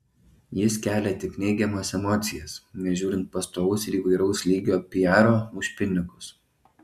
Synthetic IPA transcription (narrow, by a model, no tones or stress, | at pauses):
jɪskʲæːlʲɛt̪ʲɪknʲɛɪɡʲɛmoːsɛmɔt̪sʲɪjɛsnʲɛʒʲuːɾʲɪnt̪̚pɐst̪oːʋʊsɪɾiːˑʋɐɪɾɒʊslʲiːɡʲoːpʲɪjæːɾoːmʊʃʲpʲɪnʲɪkʊs